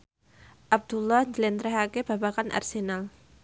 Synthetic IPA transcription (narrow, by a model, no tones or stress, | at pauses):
ʔab̚d̪̥ulːɔhɲd͡ʒəlɛnt̪ɾɛɦakeb̥a̤bakanʔa̰rsenal